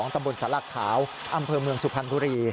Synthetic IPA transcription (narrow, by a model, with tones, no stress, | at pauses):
ɔː˩˦ŋt̪a˧mbo˧nsaː˩˦la˧˩kʰaː˩˦w | ʔa˧mpʰɤː˧mɯ˧əŋsu˨˧˩pʰa˧nbuː˧˦ɾiː˧